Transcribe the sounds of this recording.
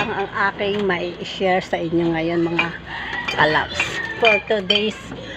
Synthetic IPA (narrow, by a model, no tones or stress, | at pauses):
ɐŋɐŋʔaːkɪŋmɐʔiʔɪʃɛɹsɐʔɪɲːoŋɐjo̞nmɐŋakala̰psfoɹt̪ud̪ejs